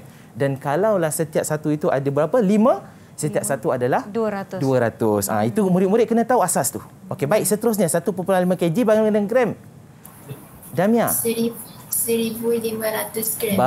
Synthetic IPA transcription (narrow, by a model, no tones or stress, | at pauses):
dankalawlahsət̪iap̚sat̪uit̪uʔa̰dəbəɾapəlimã | sət̪iap̚sat̪uadalahduɾat̪ʊduəɾat̪ʊsã̰it̪umuɾɪt̪muɾɪt̪̚kənãt̪auasast̪u | okebaɪk̚sət̪əɾʊs̬ɲasat̪upupulalimãked͡ʒibaŋalkədaŋkɾɛm | damĩasəi | səɾibulimãɾat̪ʊskɾɛba